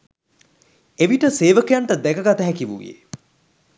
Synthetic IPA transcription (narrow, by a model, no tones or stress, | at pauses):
eʋiʈəseːʋəkəjaɳʈəd̪ɛkəɡat̪əɦækiʋṵʋjḛ